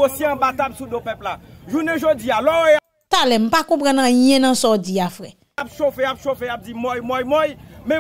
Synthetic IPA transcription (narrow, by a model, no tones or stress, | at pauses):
osjeɐ̃bat̪absudopɛplaʒunɛ̃ʒod͡zialɔo | t̪alɛm̩pakɔ̃p̬ʁãnɐ̃jɛ̃nɐ̃sɔd͡ziafʁɛ | apʃofeapʃofeap̚d͡zimɔjmɔjmɔjmɛ̃